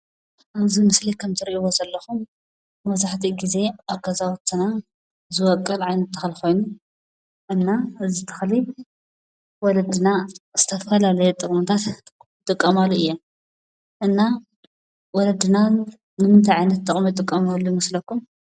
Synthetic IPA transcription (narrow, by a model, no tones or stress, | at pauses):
ʔaβzimɨslikʰɐmt̪ʰɨɾiʔiwozɐlːɐxumː | ɐβzaħt̪ʰiɡize̞ʔaβɡɐzawt̪ʰɨna | zɨwɔkʼːɐlʕajnɐt̪ːɨ̥xlixo̞jnu | ʔɨnːaɨzit̪ʰɐ̥xli | wɔlɐd̪ɨnaz̥ɨt̪ʰɐɐfɐlalɐjɛt̪ʼɨχʼmt̪ʰat̪ | t̪ʼɨkʼːɐmaluɨjːa | ʔɨnːa | wɔlɐd̪ɨna | nɨmɨnt̪ʰajʕajnɐt̪ʼːɨχʼmit̪ʼɨkʼːɐmalujmɨslɐkːum